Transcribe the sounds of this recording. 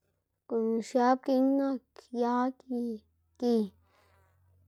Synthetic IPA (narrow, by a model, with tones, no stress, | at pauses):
ku˨n˨ʃja˦p̚ki˧ŋna˦˧kja˦ki˧ | ki˧